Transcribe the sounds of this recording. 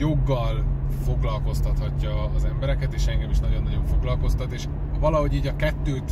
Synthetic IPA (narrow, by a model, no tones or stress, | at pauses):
jo̞ɡːɒlfo̞ɡlɒlko̞st̪ɒt̪hɒcːɒːzɛmbɛɾɛkɛt̪eːʃɛŋɡɛmiʃnɒɟo̞nːɒɟo̞ɱfo̞ɡlɒlko̞st̪ɒt̪eːʃ | vɒlɒɦo̞ɟiːɟɒkɛt̪ːøːt̪